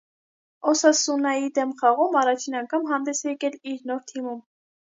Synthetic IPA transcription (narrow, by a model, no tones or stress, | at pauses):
ɔsɑsunɑjid̪ɛmχɑʁumɑrɑt͡ʃʰinɑŋkʰɑmɦɑnd̪ɛsjɛkɛliɾnɔɾt̪ʰimum